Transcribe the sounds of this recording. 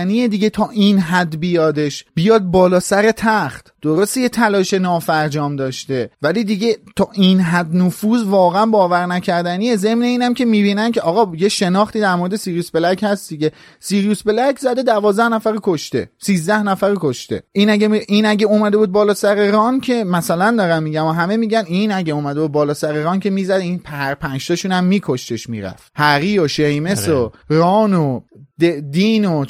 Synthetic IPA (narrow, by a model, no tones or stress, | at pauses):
nijed̪iɟe̞t̪ʰɒːʔinɦæd̪bijɒːd̪e̞ʃb̥ijɒːd̪̚bɒːlɒːsæɾe̞t̪ʰæχt̪d̪̥oɾost̪ejet̪ʰælɒːʃe̞nɒːfæɾd͡ʒɒːmd̪ɒːʃt̪e̞væliːd̪iɟe̞t̪ʰɒːʔinɦæd̪nofuːzvɒːɣeænbɒːvæɾnæcʰæɾd̪ænie̞ze̞mne̞iːnæmcʰe̞miːbiːnæncʲʰe̞ʔɒːɣɒːjeʃe̞nɒːχt̪iːd̪æɾmoɾed̪esiɾjuːsbelæchæst̪d̪iɟe̞ | siːɾijusbe̞lækʰzæd̪e̞d̪ævɒːzd̪æhnæfæɾokʰoʃt̪e̞̰siːzd̪æhnæfæɾokʰoʃt̪e̞̰ʔinæɟemiʔiːnæɟeomæd̪e̞buːd̪̚bɒːlɒːsæɾeɾɒːncʰe̞mæsælænd̪ɒːɾæmːiːɟæmɒɦæme̞miːɟæniːnæɟeomæd̪e̞buːd̪̚bɒːlɒːsæɾeɾɒːncʰe̞miːzæd̪iːnpʰæɾpʰænʃt̪ɒʃuːnæmːiːkʰo̞ʃt̪e̞ʃmḭɾæ̰fhæɣiːoʃejme̞sorɒːnod̪ed̪iːno